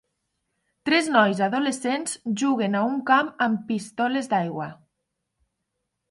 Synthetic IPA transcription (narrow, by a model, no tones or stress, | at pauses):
t̪ɾeznɔjzaðolesenzʒuɣ̞enauŋkamampist̪ɔlezd̪ajɣwa